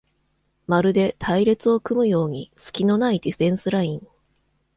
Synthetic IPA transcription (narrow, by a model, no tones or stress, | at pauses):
maɾɯ̟d̪e̞t̪ʰaiɾe̞t͡sɨo̞kɯ̟mɯ̟jo̞ːɲ̟isɨ̥kʲino̞naid̪iɸẽ̞ɰ̃sɨɾaĩŋ